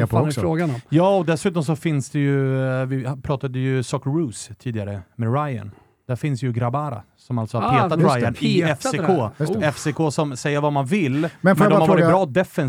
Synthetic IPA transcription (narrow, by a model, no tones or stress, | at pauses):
sɾoːɡanjɑːɔd̪ɛsʉ̟ːt̪ɔms̬ɔfɪnsd̪ɛjɵvɪpʰɾɑːt̪ad̪əjɵsɔkɾʉːst̪ʰiːd̪ɪɡaɾəmɛɾaja̰n | d̪̥æɾfɪnsd̪ɛjɵɡɾabaːɾa̰ | sɔmalt̪sɔhaɾɾheːt̪at̪ɾajanɪɛfsekʰoːɛfsekʰoːsɔmsɛjːəɾvamanvɪlːmɛnmɛɔmaɾvɑɾɪt̪bɾɑːd̪ɛfɛn